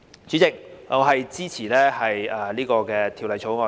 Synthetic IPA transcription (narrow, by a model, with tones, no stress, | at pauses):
t͡ʃy˨˥t͡sɪ˨k̚ŋɔː˨˧ɦɐ˨jt͡siː˥t͡sʰiː˨˩lɛː˥hɐ˨jɐː˨˩liː˥kɔː˧kɛː˧t̪ʰi˧wlɐ˨˧jt͡sʰo˨˥wŋɔː˨˧